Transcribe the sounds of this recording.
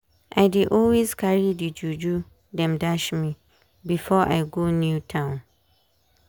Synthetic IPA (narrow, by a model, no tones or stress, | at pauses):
ʔaɪdɪʔɔlwiskʰaɹidid͡ʒud͡ʒu | dɛ̃mdaʃmĩ | bifɔʔa̰ɪɡonjutʰãʊ̃n